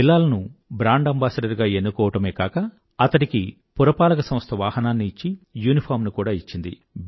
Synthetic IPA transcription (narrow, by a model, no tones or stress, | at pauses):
pilːaːlɐnubɾaːɳɖɐmbaːsɐɖɐɾɡaːe̞nːukɔːʋɐʈɐme̞ːkaːkɐ | ɐt̪ɐʈiki | puɾɐpaːlɐkɐsɐmst̪ʰɐʋaːhɐnaːnːiːt͡ʃːijuːnipʰaːɾmnukuːɽaːit͡ʃːind̪ḭ